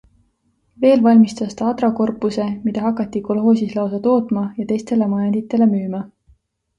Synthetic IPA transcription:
ve̞ːlvɑlʲmist̪ɑst̪ɑɑd̪rɑko̞rpːˑuse̞mid̪̥ɑɦɑkːˑɑt̪ːˑiko̞lɦo̞ːs̬ʲislɑwsɑt̪o̞ːt̪mɑjɑt̪e̞jst̪e̞le̞mɑjɑnd̪̥it̪ːˑe̞le̞myːmɑ

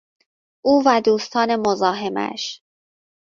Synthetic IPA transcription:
ʔuːvæd̪uːst̪ʰɒːne̞mozɒːɦemæ̰ʃ

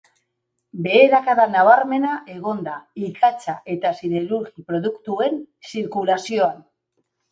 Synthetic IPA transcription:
be̞ːɾakaðanaβ̞aɾme̞naʔe̞ɣ̞o̞nd̪aikʰat͡saʔe̞t̪asiðe̞ɾuɾɣipɾo̞ðukt̪ue̞n | siɾkulasio̞an

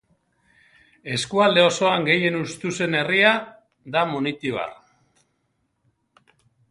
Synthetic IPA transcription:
e̞skuald̪e̞o̞so̞aŋɡe̞je̞nust̪use̞ne̞ria | d̪amonit̪iβa̰r

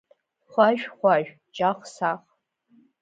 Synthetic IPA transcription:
χʷaʒᶣχʷaʒᶣ | t͡ʃʼaχʷsaχ

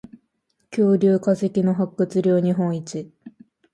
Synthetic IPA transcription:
kʲo̞ːɾʲɨːkaze̞kʲino̞ɦakːɯ̟t͡sɨɾʲjo̞ːɲ̟iɦõ̞ɰ̃it͡ɕi

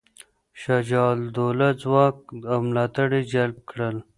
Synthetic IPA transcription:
ʃad͡ʒɑːld̪olad͡zwɑːk̚amlɑːt̪əɽid͡ʒɐlb̚kɽəl

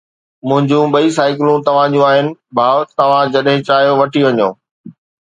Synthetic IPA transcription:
mʊ̃ɦɪ̃ɲd͡ʑũɓɐisaːɪkɪlũt̪ɐʋ̤ãd͡ʑũaːɦɪnɪ̆bʱaːʋt̪ɐʋ̤ãd͡ʑɐɗɦɪ̃t͡ɕaːɦijoʋɐʈʰiʋɐɲõ̰ː

